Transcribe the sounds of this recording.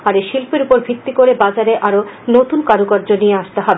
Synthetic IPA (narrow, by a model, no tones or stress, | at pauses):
aɾeʃilpeɾupoɾbʱit̪ːikoɾebad͡ʑaɾeʔaɾonot̪unkaɾukaɾd͡ʑonieaʃt̪eɦɔbe